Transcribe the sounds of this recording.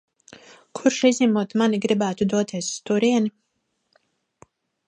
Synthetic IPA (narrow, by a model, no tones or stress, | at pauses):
kʰuɾʃizʲnʲimuɔt̪maniɡɾibæːt̪ud̪uɔt̪ʰiɛsst̪uɾiɛni